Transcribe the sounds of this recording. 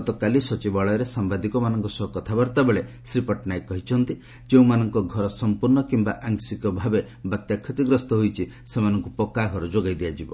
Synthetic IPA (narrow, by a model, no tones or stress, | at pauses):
t̪ɔkalisɔt͡ʃibaɭɔɾesambad̪ikɔmanɔŋkɔsɔɦɔkɔt̪ʰabaɾt̪abeɭe | sɾipɔʈnajkːɔɦit͡ʃʰɔnt̪i | d͡ʒeũmanɔŋkɔɡʱɔɾɔsɔmpuɾnɔkimbaʔaŋsikɔbʱabe | bat̪jakʰːɔt̪iɡɾɔst̪ɔɦojt͡ʃʰi | semanɔŋkupɔkaɡʱɔɾɔd͡ʒoɡajd̪ijad͡ʒibɔ